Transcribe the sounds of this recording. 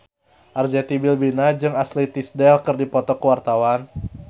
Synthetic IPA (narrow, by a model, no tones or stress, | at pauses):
ʔard͡ʒat̪ibilbinad͡ʒɨŋaslit̪isdɛlkɨrdipɔt̪ɔkəwart̪awan